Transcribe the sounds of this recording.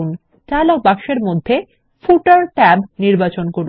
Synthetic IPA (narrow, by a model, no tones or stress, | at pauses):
un | t͡ɕalabakʃeɾmod̪ʱːe | fuʈaɾʈɛbniɾbat͡ɕonkoɾu